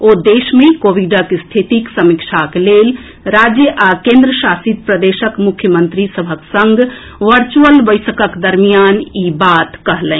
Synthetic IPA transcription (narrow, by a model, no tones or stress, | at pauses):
od̪esmekoʋiɖəkst̪ʰit̪iksəmikʃʰaklel | ɾad͡ʒjəʔakẽnd̪ɾəsasit̪̚pɾəd̪esəkmukʰjəmənt̪ɾisəbʱəksəŋɡ | ʋəɾt͡ʃuəlbəɪsəkəkd̪əɾmijanibat̪kəɦlɛ̃